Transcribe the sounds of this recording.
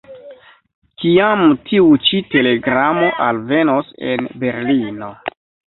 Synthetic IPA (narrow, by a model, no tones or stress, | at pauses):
kiamtʰiut͡ʃite̞le̞ɡɾamo̞ʔalve̞nose̞̰nbe̞ɾlino̞